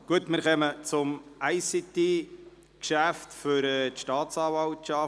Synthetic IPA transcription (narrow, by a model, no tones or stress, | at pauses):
ɡ̥uətmɪɾχɛmət͡sʊmæɪsit̪e | kʃæft̪fʏɾɛt̪ʃtɑːt̪t͡sɑːvɑltʃɑ